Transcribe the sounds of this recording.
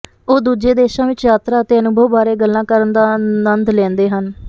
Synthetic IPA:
oːd̪uːd͡ʒeːd̪eːʃãːʋɪt͡ʃjaːt̪ɾaːət̪eːənʊbʱəʋbaːɾeːɡəlːãːkəɾənd̪aːnənd̪lɛ̃ːnd̪eːɦən

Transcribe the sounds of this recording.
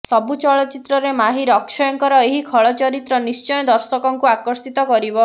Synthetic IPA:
sɔbut͡ʃɔɭɔt͡ʃit̪ɾɔɾemaɦiɾɔksɔjɔŋkɔɾɔeɦikʰɔɭɔt͡ʃɔɾit̪ɾɔnist͡ʃɔjɔd̪ɔɾsɔkɔŋkuakɔɾsit̪ɔkɔɾibɔ

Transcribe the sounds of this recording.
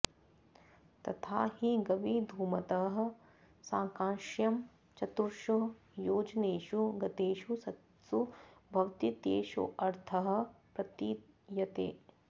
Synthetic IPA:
t̪ɐt̪ʰaːhiɡɐʋid̪ʱuːmɐt̪ɐɦɐ̆ | sãːŋkãːʃjɐm | t͡ʃɐt̪uɾʃu | joːd͡ʒneːʃuɡɐt̪eːʃusɐt̪ | subʱɐʋt̪it̪eːʃṵʔɐɾt̪ʰɐɦɐ̆pɾɐt̪i | jɐt̪ḛː

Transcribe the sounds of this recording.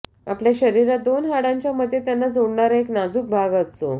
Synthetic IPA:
apljaɕəɾiɾat̪̚d̪onɦaɽãɲt͡ɕjaməd̪ʱːjet̪janːad͡zoɽɳaɾaeknad͡zuːk̚bʱaɡəst̪o̰

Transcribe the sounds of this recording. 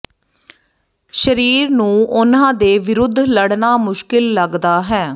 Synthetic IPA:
ʃəɾiːɾnũːʔʊnãːd̪eːʋɪɾʊd̪ʱːləɽnaːmʊʃkɪlːəɡd̪aːɦɛː

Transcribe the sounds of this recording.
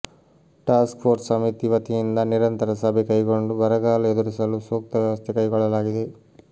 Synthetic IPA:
ʈaːskpʰoːɾssɐmit̪iʋɐt̪ijind̪ɐniɾɐnt̪ɐɾɐsɐbʱekɐjɡoɳɖubɐɾɐɡaːlued̪uɾisɐlusoːk̚t̪ɐʋjɐʋɐst̪ʰekɐjɡɔɭːɐlaːɡid̪e̞

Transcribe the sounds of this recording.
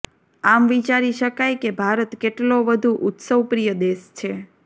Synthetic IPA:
amʋit͡ʃaɾiʃəkajkebʱaɾət̪keʈloʋəd̪ʱuʔʊt̪səwpɾijəd̪eʃt͡ʃʰe

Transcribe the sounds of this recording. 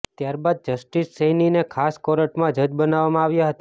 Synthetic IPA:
t̪jaɾbad̪̚d͡ʒəsʈisːəjninekʰaskɔɾəʈmãd͡ʒəd͡ʒbənaʋamãaʋjaɦət̪a

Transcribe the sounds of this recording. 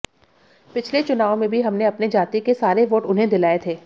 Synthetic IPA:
pɪt͡ʃʰlet͡ʃʊnaːomẽbʱiɦɐmneɐpned͡ʒaːt̪ikesaːɾeʋoːʈʊnɦẽd̪ɪlaːet̪ʰeː

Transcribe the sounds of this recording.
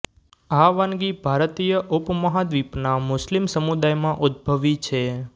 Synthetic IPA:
aʋanɡibʱaɾt̪ijəʔupməɦad̪ʋipnamʊslimsəmud̪ajmãʔud̪̚bʱəʋit͡ʃʰe

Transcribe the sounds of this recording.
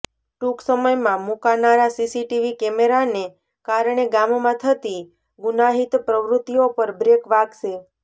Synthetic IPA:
ʈuksəməjmãmukanaɾasisiʈiʋikɛmeɾane | kaɾɳ̃eɡammãt̪ʰət̪i | ɡʊnaɦit̪pɾəʋɾut̪ːijopəɾbɾekʋaɡʃe

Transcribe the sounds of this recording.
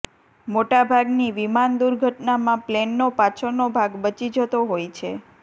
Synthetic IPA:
moʈabʱaɡniʋimand̪uɾɡʱəʈnamãplenːopat͡ʃʰənobʱaɡbət͡ʃid͡ʒət̪oɦojt͡ʃʰe

